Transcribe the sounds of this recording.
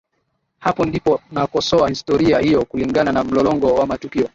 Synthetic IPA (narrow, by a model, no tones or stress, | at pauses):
hapɔndipɔnakɔsɔahistɔɾiahijɔkuliŋɡananam̩lɔlɔŋɡɔwamatukiɔ